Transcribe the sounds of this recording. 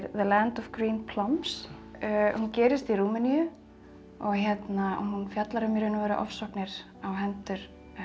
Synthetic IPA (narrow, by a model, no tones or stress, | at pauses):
ɾðəlant̪ɔvɡɾiːnpʰlɔmps | huncɛːɾɪst̪iɾuːmɪnijʏ | ɔɣçɛt̪na̰ɦunfjat̪laɾamiɾʏnʏvɛːɾa̰ʔɔ̰fsɔhknɪɾ̥ | awɦɛnt̪ʏɾ̥